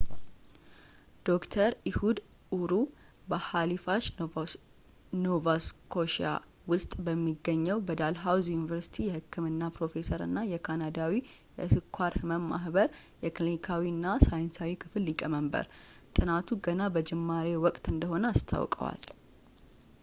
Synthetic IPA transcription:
d̪̥o̞kt̪ʰəɾihud̪ | uɾu | bəhalifaʃ | novaskʰo̞ʃa̰ | wʊst̪ʼbəmːiɡːəɲːɛwbəd̪alɦawzjunivəɾsi̥t̪ʰijɛhɨkːɨmɨnːapɾo̞fe̞səɾɨ̰nːajɛkʰanad̪awijɛsɨkʰʷːaɾhɨməmmaɦbəɾ | jɛklinikʰawiɨnːasajnsawikʰɨfɨlːikʼəməmbə̰ɾt̪ʼɨnat̪ʰuɡənabəd͡ʒɛmːaɾewɔkʼt̪ʼɨnd̪əɦo̞nəast̪ʰa̰wkʼə̰wa̰l

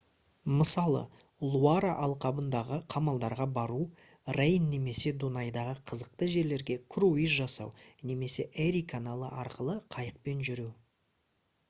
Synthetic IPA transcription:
məsɑlˠə̰ | lˠuaɾaʔɑlˠqɑbənd̪ɑʁəqʰɑmɑlˠd̪ɑɾʁɑbɑɾu | rejnːe̞me̞se̞d̪unɑjd̪ɑʁəqʰəzəq̚t̪əʒe̞ɾle̞ɾɡʲe̞kʰruizʒɑsɑ̰wne̞me̞se̞ʔeɾikʰanalˠə̰ʔɑɾqəlˠəqʰɑjəq̚pe̞nʒʏɾew

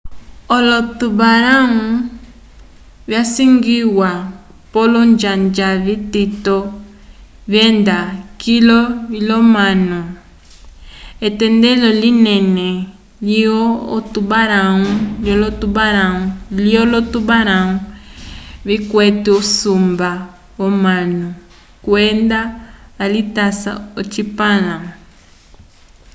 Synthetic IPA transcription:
ɔlɔtuβaɾau | βjasiŋɡiwa | pɔlɔɲd͡ʒaɲd͡ʒaβititɔ | βjɛndakilɔilɔmanu | ɛtɛndɛlɔlinɛnɛ | liɔːtubaɾauljɔlotubaɾauliɔlɔtubaɾau | βikwɛtiusumba | wɔmanu | kwɛndaːlitasa̰ot͡ʃipala

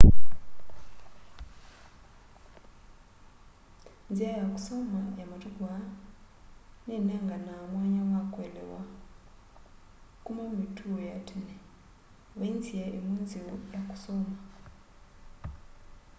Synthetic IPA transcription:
nd͡ziajakʼu̥sɔmajamatukua | nɛnaŋɡanamwaɲawakʼwɛlɛ̰wa | kʼumamitʰuɔjatʰɛnɛ | βand͡ziaʔimund͡ziwɔjakʼu̥sɔːma

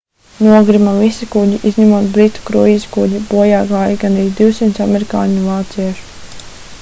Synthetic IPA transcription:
nuɔɡɾimavisikuɟiʔizɲamuɔt̪bɾit̪u̥kɾuiːskuɔɟibuɔjaːɡaːjɡanɾiːd̪iwsimt̪sameɾika̰ːɲvaːt̪siɛʃ

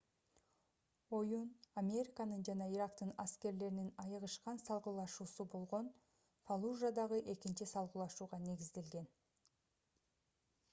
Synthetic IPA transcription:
o̞junamʲe̞ɾʲɪkanɯnd͡ʒɑnɑiɾakt̪ɯnaske̞ɾle̞ɾininɑjɯʁɯʃqɑnsɑlˠʁəlˠɑʃuːsubo̞lˠʁo̞n | falˠuʒad̪ɑʁɯʔe̞kint͡ʃisɑlˠʁlˠɑʃuːʁɑne̞ɡizd̪e̞lɡe̞n

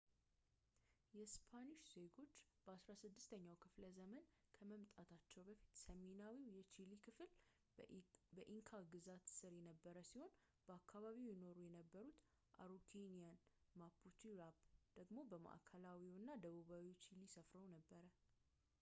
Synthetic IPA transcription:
jɛspʰaniʃz̥e̞ɡo̞t͡ʃːb̥əasɾasɨd̪ːɨst̪ʰəɲːawkʰɨfləzəmənkʰəməmt̪ʼat̪ʰat͡ʃːɛwbəfit̪səmenawiwjɛt͡ʃilikʰɨfɨl | bəʔiŋkʰaɡɨzat̪sɨɾjɛnəbːəɾəsiho̞n | b̥əakʰːaβaβiwjɪno̞ɾujɛnəbːəɾut̪ | ʔa̰ɾukʰenijanmapʰut͡ʃiɾabd̪̥əɡmo̞bəma̰ʔkʰəlawiwɨnːad̪əβuβawiwt͡ʃʰilisəfɾəwnəbːəɾə

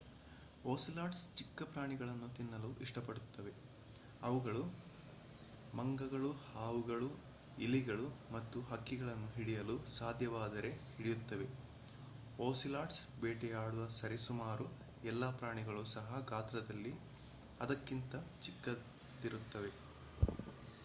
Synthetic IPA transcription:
oːsilaːʈst͡ʃikːɐpɾaːɳiɡɐɭɐnːut̪inːɐluʔiʂʈɐpɐɽut̪ːɐʋe̞ | ɐʋuɡɐɭu | mɐŋɡɐɡɐɭuhaːʋuɡɐɭu | iliɡɐɭumɐt̪ːuɦɐkːiɡɐɭɐnːuɦiɽijɐlusaːd̪ʱjɐʋaːd̪ɐɾe̞hiɽijut̪ːɐʋe̞ | oːsilaːʈs | beːʈɛjaːɽuʋɐsɐɾisumaːɾu | ɛlːɐpɾaːɳiɡɐɭusɐɦɐɡaːt̪ɾɐd̪ɐlːi | ɐd̪ɐkːint̪ɐt͡ʃikːɐ | t̪iɾut̪ːɐʋe̞

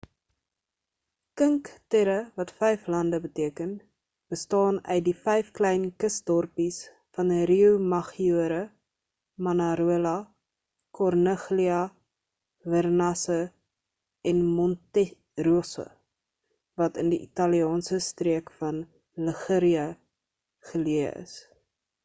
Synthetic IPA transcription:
kəŋktɛɾəvɐtfɛjflɐndəbətiəkən | b̥əstɑːnœ̰ɥt̚difɛjfklɛjnkəsdɔrpis | fɐnɾiumɐχiuəɾə | mɐnɐɾuəlɐ | kɔrnəχliɐ | vərnɐsə | ɛnmɔntɛ | ruosə̰ | vɐtəndiʔitɑliɑːnsəstriəkfɐn | ləχəɾiɐ | χəliəə̰s

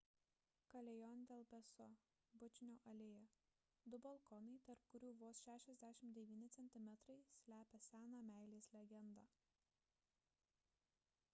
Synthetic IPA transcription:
kɐlʲɛjɔnʲd̪ʲɛlˠpʲɛsɔ | bʊt͡ʃʲnʲoːʔɐlʲeːjɛ | d̪ʊbɐlˠkɔnɐɪt̪ɐɾpkʊɾʲuːʋoːsʃʲæːʃʲɛzʲd̪ʲæːʃʲɪmd̪ʲɛʋʲiːnʲɪt̪sʲɛnʲt̪ʲɪmʲɛt̪ɾɐɪsʲlʲæːpʲɛsʲæːnɑːmʲæˑɪlʲeːsʲlʲɛɡʲɛnd̪ɑː

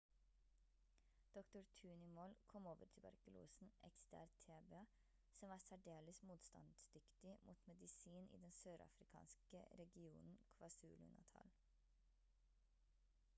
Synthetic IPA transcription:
d̪̥ɔkt̪ʊɾt̪ʰʉːnʏmoːlkʰɔmoːʋəʈʰɪlbɑ̰ɾkʉlʔṵːsn̩ʔɛ̰kst̪ʰæ̰ːɾt̪ʰːeːbɛɑ | sɔmʋɑːsæɖeːləsmuːt̪st̪ɑ̰nd̪sd̪ʏkt̪ɪmʔṵːt̪mɛd̪ɪsiːnʔḭːd̪ɛnsøːɾɑ̰fɾɪkʰɑ̰ːnskə̰ɾɛɡɪṵːnn̩kʰʋɑːsʉːlʉ̰nə̰t̪ʰɑ̰l

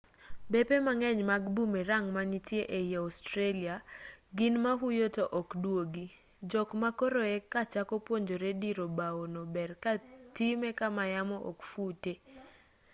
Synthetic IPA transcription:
bepemaŋɛɲmaɡbumeɾaŋmanitjeʔejaɔstɾeliaɡɪnmaɦujotoʔɔkdwoɡi | d͡ʒɔkmakoɾoɛkat͡ʃakɔpwoɲd͡ʒoɾediɾobaonobɛrkatimɛkamajamɔʔɔkfute

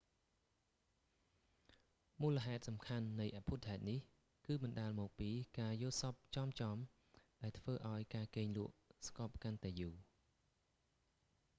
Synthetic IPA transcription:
muːlə̆ɦaɛt̪̚sɑmkʰanːɨjʔapʰut̪ʰːaɛt̪̚nih | kɨːmɨnɗaəlmɔːk̚piːkaːjʊəlsɑp̚t͡ɕɑːmt͡ɕɑːm | ɗaɛlt̪ʰʋəːʔaɔjkaːkeːŋlŭəʔskɑːp̚kant̪aɛjuː

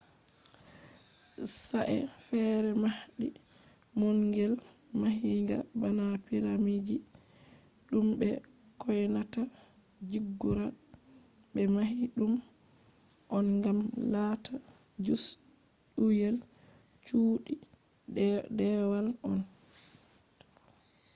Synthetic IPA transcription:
saʔɛ̰fɛɾɛmahɗi | mɔŋɡɛlmaɦiŋɡa̰banapiɾamid͡ʒi | ɗumbɛ | kɔjnatad͡ʒiɡːuɾa | bɛmaɦiɗum | ʔɔnɡamlatʰa | d͡ʒus | ɗujɛl | t͡ʃuːɗi | dɛwalʔɔn

